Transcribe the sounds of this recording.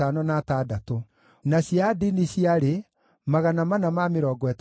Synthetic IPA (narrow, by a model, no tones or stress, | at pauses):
anɔnatadato | naɕiadiniɕiaɾe | maɣanamanamameɾɔːɡɔɛt